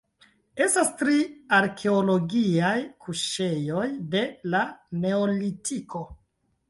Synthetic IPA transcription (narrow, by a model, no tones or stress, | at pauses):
e̞stastɾiaɾkʰe̞olo̞ɡiajkʰuʃe̞jo̞jde̞lane̞olitʰiko̞